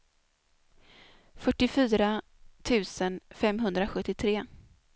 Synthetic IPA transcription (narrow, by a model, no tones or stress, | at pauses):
fœʈːɪfyːɾa | t̪ʰʉ̟ːsənfɛmɦɵnd̪ɾaɧɵt̪ːɪt̪ʰɾeː